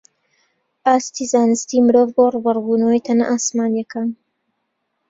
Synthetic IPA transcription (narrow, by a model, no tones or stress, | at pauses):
ʔaːst̪izaːnɨst̪iːmɨɾoːvboruːbɐrˤbuːnɐwəjt̪ʰɐnɐ̰ʔaːsmaːnjɐkaːn